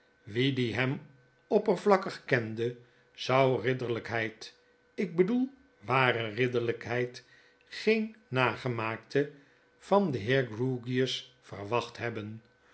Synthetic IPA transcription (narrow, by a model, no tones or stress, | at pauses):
ʋidiɦɛm | ɔpərvlɑkəχkɛndə | z̥ɑwrɪdəɹləkɦɛjt | ɪɡ̚bədulˠ | ʋaːrərɪdəɹləkɦɛjt | χejnːaːχəmaːk̚tʰə | v̥ɑndəɦɪːɹɡruɡiəsfə̰rʋɑχtɦɛbən